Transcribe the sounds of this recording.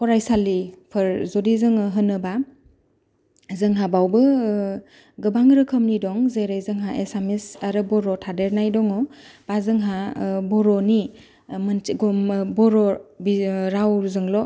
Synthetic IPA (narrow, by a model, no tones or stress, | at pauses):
kʰɔɾajsalipʰɯɾzɔdizɯŋɯɦɯnɯba | zɯŋɦabawbɯ | ɡɯbaŋɾɯkʰəmnidɔŋzeɾajzɯŋɦaʔesamisaɾɯbɔɾɔtʰadeɾnajdɔŋɔb̥azɯŋɦabɔɾɔni | mɯnɡɔmbɔɾɔbiɾawzɯŋlɔ